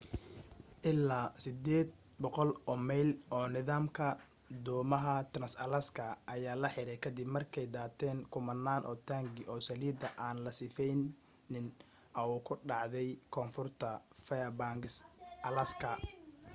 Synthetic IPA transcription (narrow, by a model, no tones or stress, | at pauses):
ʔɪlːaːsɪd̪ɛːd̪̚ | bɔqɔlɔːmɛjlɔːnɪðaːmkʰɐ | d̪ɔːmɐɦɐt̪ʰɾɐnsɐ̰lɐskʰɐʔːjaːlɐħɪɾɛjkʰɐd̪ɪbmɐrkʰɛjd̪aːt̪ʰɛːŋkʰʊmɐnːaːnʔɔːt̪ʰaːŋɡɪʔɔːsɐliːd̪ɐʔaːnlɐsɪfɛjnː | ɪn | ʔɐuːkʰʊɖɑʕðɛjkʰɔːnfʊrt̪ʰɐfɛjɐbaŋɡɪsʔɐlɐskʰɐ